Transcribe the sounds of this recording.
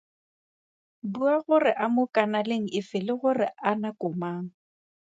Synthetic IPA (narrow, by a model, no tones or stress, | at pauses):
buaɣʊrɪʔamʊkʼanaleŋ̩ɪfɪlɪɣʊrɪanakʼʊmaːŋ̩